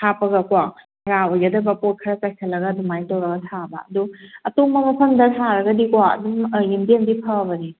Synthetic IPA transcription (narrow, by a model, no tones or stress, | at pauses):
tʰapɐɡɐkwa | ɾaojadɐbɐpot̚kʰɾasajkʰɐlːɐɡɐdumajtoɾɐɡɐtʰabɐ̰ɐ̰duɐtoŋmɐmɐpʰɐmdɐsʰaɾɐɡɐdikwaɐ̰duməjimdemdipʰabɐni